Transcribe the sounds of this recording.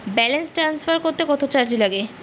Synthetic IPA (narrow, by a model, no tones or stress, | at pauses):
bɛlensʈɾansfaɾkoɾt̪ekɔt̪ʰot͡ɕaɾd͡ʑilaɡe